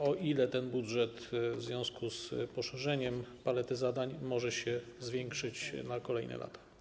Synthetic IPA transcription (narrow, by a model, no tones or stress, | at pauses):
ɔʔilɛt̪ɛnbudʐɛt̪vzvʲjɔ̃w̃skuspɔʂɛʐɛɲɛmpalɛt̪ɘzad̪aɲmɔʐɛɕɛzvʲjɛŋkʂɘt͡ɕnakɔlɛjnɛ̰lʔa̰t̪ḁ